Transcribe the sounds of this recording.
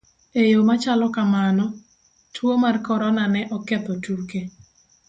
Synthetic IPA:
ejomat͡ʃalɔkamanɔ | tʰwomarkɔɾɔnanɛʔɔkɛt̪ɔtuke

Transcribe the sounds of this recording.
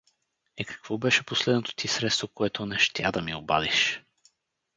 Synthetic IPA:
ɛkɐ̥kv̥ɔbɛʃɛposlɛd̪not̪o̥t̪ʰisɾɛt̪st̪vokoɛt̪onɛʃt̪ʲja̰d̪ɐmioba̰d̪iʃ

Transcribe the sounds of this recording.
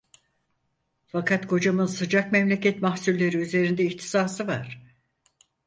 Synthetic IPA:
fakʰat̪kʰo̞d͡ʒamɯnsɯd͡ʒakmɛmlʲecʰɛt̪mahsulːʲeɾiyze̞ɾind̪ɛiçt̪ʰi̥saːsɯvaɾ̥

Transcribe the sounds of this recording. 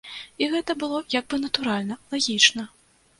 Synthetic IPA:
iɣɛt̪ɐbɨlˠɔjaɡ̚bɨnɐt̪uɾalʲnɐlˠaɣʲit͡ʂnɐ

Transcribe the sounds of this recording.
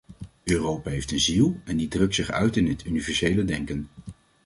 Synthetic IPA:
øːrowpaɦejftənzilˠɛndidrɵktsɪχœ̰ɥtɪnətynivɛɹsejlədɛŋkən

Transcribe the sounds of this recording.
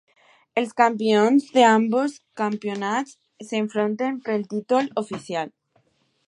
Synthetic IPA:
elskampeonzðe̞amboskampjo̞nasː | eɱfɾont̪empɾelt̪it̪olofiθjal

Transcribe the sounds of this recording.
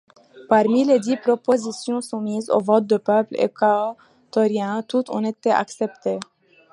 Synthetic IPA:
paʁmiled̪ipχopozisjɔ̃sũmizo̰vɔt̪̚d̪əpœplḛkao | t̪ɔʁjɛ̃t̪ut̪ɔ̰̃et̪ɛa̰ksɛpt̪e

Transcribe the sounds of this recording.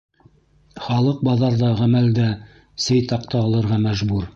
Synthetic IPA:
χɑlˠɤq̚bɑðɑɾðɑʁæmæld̪æ | sɘjt̪ɑqt̪ɑːlˠɤ̆ɾʁɑmæʒbuɾ

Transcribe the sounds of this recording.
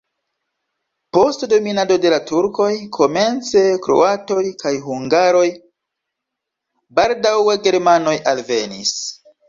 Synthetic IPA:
po̞stdo̞minado̞de̞latuɾko̞jkʰo̞me̞nt͡se̞kɾo̞̰ato̞jkajɦuŋɡaɾo̞j | baldaweɡe̞ɾmano̞jʔalve̞nis

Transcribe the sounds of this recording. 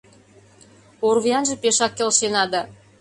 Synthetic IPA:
orβiɑnʒĕpeʃɑkːelʃenɑd̪ɑ

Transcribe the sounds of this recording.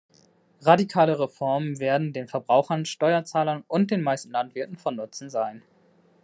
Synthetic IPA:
ʁadikʰaːləʁefɔɐmənveːɐdn̩deːnfɛɐbʁaʊxɐnʃtɔʏɐt͡saːlɐnʊnt̚d̥eːnmaɪstn̩lantv̥ɪɐtn̩fɔnːʊt͡sn̩zaɪn

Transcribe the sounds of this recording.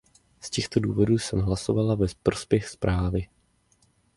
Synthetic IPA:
scɛxt̪o̞duːvo̞duːsɛmɦlaso̞valavɛpɾo̞spjɛxspɾʔaːvɪ

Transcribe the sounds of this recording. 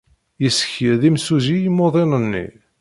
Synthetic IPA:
jəsə̥çiðimsuzijimːoðˤenənːḭ

